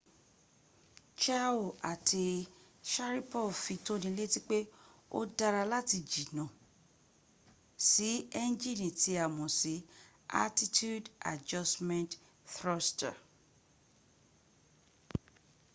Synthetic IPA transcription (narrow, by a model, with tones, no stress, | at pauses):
t͡ʃa˦o˨a˨tʰi˧ | ʃa˦ɾi˦pɔ˦˨fi˧to˦nĩ˧˦le˦ti˦k͡pe˦o̰˦da˧ɾa˧la˦ti˧d͡ʒi˨nã˨ | si˨˦ɛ˦n˦d͡ʒi˦˨nĩ˨ti˨˧˦a˨mɔ̃˨si˨˦ | a̰˦ti˦tu˦da̰˨d͡ʒa˧smɛ̃˦nt | θɾɔ˦sta̰˨